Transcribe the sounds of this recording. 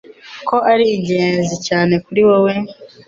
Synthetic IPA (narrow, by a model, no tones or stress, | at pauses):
ko̞ʔaɾiːɟeːzicaːne̞kuɾiwowe̞